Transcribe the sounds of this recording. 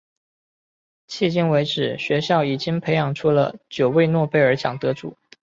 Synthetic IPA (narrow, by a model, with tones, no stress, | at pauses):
t͡ɕʰi˥˧t͡ɕi˥ŋwe˧˥ɪʈ͡ʂɻ̩˨˩˦ɕɥɛ˧˥ɕjɑ˥˩ʊi˨˩t͡ɕi˥ŋpʰe˧˥ɪjɑ˨˩ŋʈ͡ʂʰu˥lə̰˨t͡ɕjo˨˩ʊwe˥˧ɪnwɔ˥˧pe˥˧ɪə˞˧˥t͡ɕʰjɑ˨˩ŋt̪ɤ˧˥ʈ͡ʂṵ˨˩˦